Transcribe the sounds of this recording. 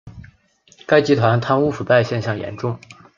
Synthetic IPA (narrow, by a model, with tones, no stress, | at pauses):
ka˥ɪt͡ɕi˧˥t̪ʰwa˧˥nt̪ʰa˥nu˥˩fu˨˩pa˥˧ɪɕjɛ˥˧nɕjɑ˥˩ŋjɛ̰˧˥nʈ͡ʂʊ˥˧ŋ